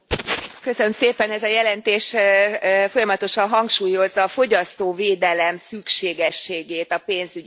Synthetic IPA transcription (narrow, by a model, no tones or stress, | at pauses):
kø̞sønømseːpɛnɛzɒjɛlɛnt̪eːʃ | fo̞jɒmɒt̪o̞ʃɒnɦɒŋkʃuːjo̞zːɒːfo̞ɟɒst̪oːveːd̪ɛlɛmsykʃeːɡɛʃːeːɡeːt̪ɒpeːnzyɟi